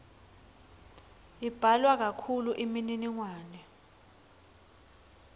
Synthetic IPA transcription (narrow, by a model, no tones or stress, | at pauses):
ib̥ʱalwak̬akʰuluʔimininiŋwaːnɛ